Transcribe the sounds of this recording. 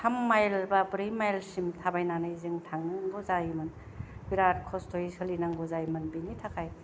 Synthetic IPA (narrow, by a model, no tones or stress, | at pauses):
tʰamːajlbɐbɾijmajlsimtʰabajnanɯzɯŋtʰaŋnɯŋɡɔzajmɯn | biɾat̚kʰɔstʰoisɯlinaŋɡozajmɯnbinitʰakʰaj